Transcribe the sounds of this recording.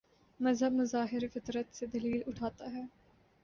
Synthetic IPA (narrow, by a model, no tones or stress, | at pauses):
mɐzɦəbmɐzaːɦɪɾefɪt̪ɾət̪sed̪ɐliːlʊʈʰaːt̪aɦɛː